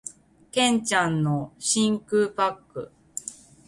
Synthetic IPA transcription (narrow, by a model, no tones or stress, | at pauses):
kẽ̞ɲt͡ɕãnːo̞ɕĩŋkɯ̟pakːɯ̟̰